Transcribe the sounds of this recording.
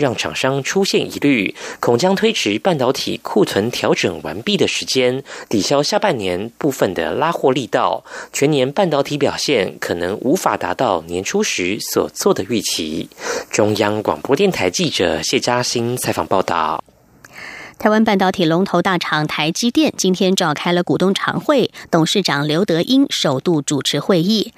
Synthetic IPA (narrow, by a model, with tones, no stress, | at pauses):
ɻɑ˥˩ŋʈ͡ʂʰɑ̰˨˩ŋʂɑ˥ŋʈ͡ʂʰu˥ɕjɛ˥˩nḭ˧˥ly˥˩kʰʊ˨˩ŋt͡ɕjɑ˥ŋt̪ʰwe˥ɪʈ͡ʂʰɻ̩˧˥pa˥˩nt̪ɑ˧˥ʊt̪ʰḭ˨˩kʰu˥˩t͡sʰwə˧˥nt̪ʰjɑ˧˥ʊʈ͡ʂɤ˨˩ŋwa̰˧˥npi˥˩d̪ə˩ʂɻ̩˧˥t͡ɕjɛ˥nt̪i˨˩ɕjɑ˥ʊɕja˥˧pa˥˩nnjɛ˧˥npu˥˩fə˨˩nd̪ə̰˩la˥xwɔ˥˧li˥˧t̪ɑ˥˩ʊt͡ɕʰɥɛ˧˥njɛ˧˥npa˥˩nt̪ɑ˧˥ʊt̪ʰi˧˥pjɑ˨˩ʊɕjɛ˥˩nkʰɤ˨˩nɤ˧˥ŋʔu˧˥fa̰˨˩t̪a̰˧˥t̪ɑ˥˩ʊnjɛ˧˥nʈ͡ʂʰu˥ʂɻ̩˧˥swɔ̰˨˩t͡swɔ˥˩d̪ə˩y˥˩t͡ɕʰḭ˧˥ʈ͡ʂʊ˥ŋjɑ˥ŋkwɑ̰˨˩ŋpwɔ˥t̪jɛ˥˩nt̪ʰa˧˥ɪt͡ɕi˥˩ʈ͡ʂɤ̰˨˩ɕjɛ˥˧t͡ɕja˥ɕi˥nt͡sʰa˧˥ɪfɑ̰˨˩ŋpɑ˥˧ʊt̪ɑ̰˥˩ʊ | tt̪ʰa˧˥ɪwa˥npa˥˩nt̪ɑ˧ʊt̪ʰi˨˩lʊ˧˥ŋt̪ʰo˧ʊt̪a˥˩ʈ͡ʂʰɑ˨˩ŋt̪ʰa˧˥ɪt͡ɕi˥t̪jɛ˥˩nt͡ɕi˥nt̪ʰjɛ˥nʈ͡ʂɑ˨˩ʊkʰa˥ɪlə˨ku˨˩t̪ʊ˥˩ŋʈ͡ʂʰɑ̰˧˥ŋxwe˥˩ɪt̪ʊ˨˩ŋʂɻ̩˥˩ʈ͡ʂɑ˨˩ŋljo˧˥ʊt̪ɤ˧˥ʔi˥ŋʂo˨˩ʊt̪u˥˩ʈ͡ʂu˨˩ʈ͡ʂʰɻ̩˧˥xwe˥˧ɪi˥˩